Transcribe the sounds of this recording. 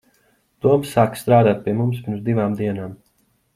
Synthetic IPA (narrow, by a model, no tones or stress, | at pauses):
d̪̥uɔmsːaːkst̪ɾaːd̪aːt̪̚pʲiɛmumspiɾmzd̪iʋaːmd̪iɛnaːm